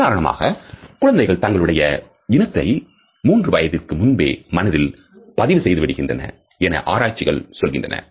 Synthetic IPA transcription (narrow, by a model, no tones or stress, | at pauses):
kaːɾɐɳɐma̰ːɣɐkʊɻɐnd̪ɐɪɣɐɭt̪ɐŋɡɐɭɯɽɐjɐ | ɪnɐt̪ːɐɪ | muːndrɯʋɐjɐðɪrkɯmʊnbḛːmɐnɐðɪl | pɐðɪʋɯsɛjðɯʋɪɽɯɣɪndrɐnɐ̰ | ɛnɐ̰ʔaːɾaːt͡ʃːɪɣɐɭsɔlɣɪndrɐnɐ̰